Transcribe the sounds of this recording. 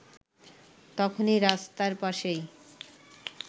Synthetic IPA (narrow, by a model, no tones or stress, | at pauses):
t̪ɔkʰoniɾast̪aɾpaʃej